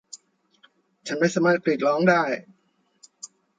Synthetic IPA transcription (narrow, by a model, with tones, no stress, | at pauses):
t͡ɕʰa˦˥nmaː˥˩jsaː˨˧˦maː˥˩t̪̚pɾi˨˩t̪̚lɔː˦˥ŋdaː˥˩j